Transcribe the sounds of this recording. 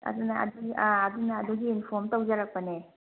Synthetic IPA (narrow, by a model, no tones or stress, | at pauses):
ɐ̰d̪unɐʔɐ̰duɡiʔaːd̪unɐːduɡiːnpʰɔɾmtɐwd͡ʒɐɾak̚pɐne